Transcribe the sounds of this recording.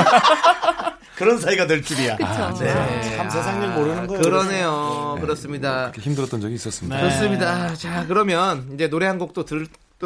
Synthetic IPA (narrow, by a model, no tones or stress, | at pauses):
kɯɾʌns̬ʰaiɡadweɭt͡ɕ͈imiakɯoeamsʰesʰaŋɲimoɾɯnɯnɡʌkɯɾʌne̞jokɯɾʌs͈ɯmɲidakeçimdɯɾʌt͈ʌnd͡ʑʌɡiːs͈ʌs͈ɯmikɯɾʌs͈ɯmɲidat͡ɕakɯɾʌmjʌnid͡ʑe̞noɾe̞ɦanɡok̚t͈otɯ | t͈